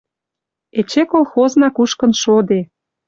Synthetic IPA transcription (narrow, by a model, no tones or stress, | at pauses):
et͡ɕekolˠxoznɑkuʃkə̆nʃod̪e